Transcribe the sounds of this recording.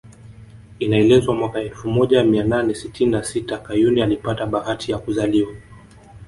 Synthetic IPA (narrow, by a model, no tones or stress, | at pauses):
inaɛlɛzwamwakaɛlfumɔʄamiananɛsitininasitakajunialipataɓahatʰijakuzaliwa